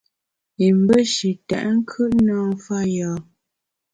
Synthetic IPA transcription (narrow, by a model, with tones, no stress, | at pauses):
i˨m˦bə˦ʃi˨tɛ̰˨ʔŋ̩˦kʰʉ˦ʔnɔː˦fa˦jɔː˨˦